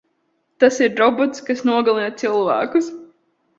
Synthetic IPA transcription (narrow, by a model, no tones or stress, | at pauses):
t̪asiɾɾɔbɔt̪skasnuɔɡalˠinat̪silˠvæ̰ːkus